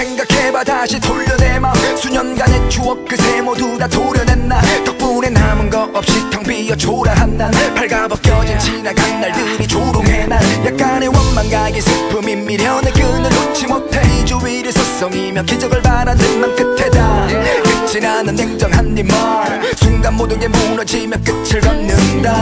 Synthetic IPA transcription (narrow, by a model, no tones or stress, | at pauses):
eŋɡakʰebataɕʰitʰoʎːʌdemasʰuɲʌnɡanet͡ɕʰuʌk̚k͈ʰɯsʰemodudatʰoɾjʌdenːatʌk̚punenamɯnɡʌʔʌp̚ɕ͈itʰʌŋpijʌt͡ɕʰoɾaɦandapʰaɭɡabʌk͈jʌd͡ʑind͡ʑʰinakanːaɭdɯɾit͡ɕoɾoŋenajak̚k͈anewʌnmanɡaɡisʰɯpʰɯmimːiɾjʌnekɯnɯnot͡ɕʰimotʰaid͡ʑuwiɾɯsʰʌs͈ʌŋimjʌkid͡ʑʌɡɯɭpaɾanɯnmank͈ɯtʰedakɯt͡ɕ͈ʰinanɯnːeŋd͡ʑʌŋɦanːima | sʰuŋɡamːodɯnemonʌd͡ʑimjʌnk͈ɯt͡ɕʰiɭɡʌnnːɯnda